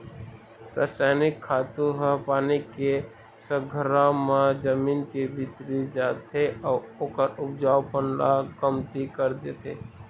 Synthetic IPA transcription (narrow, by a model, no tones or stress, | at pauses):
ɾa̰ːsɛːnɪkʰːaːt̪uɦəɦpaːnike | səɡʱəɾamãd͡ʒəmiːnkebʱit̪ɾid͡ʒaːt̪ʰeɔːoːkəɾʊp̚d͡ʒaːwpənlaɡəmt̪ikəɾd̪et̪ʰḛː